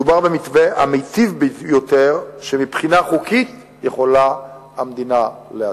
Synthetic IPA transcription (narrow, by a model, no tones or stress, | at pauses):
ubaʁbemitveamejtivbijot̪eʁʃemipχinaχukit̪ | jeχo̞la | amd̪inalea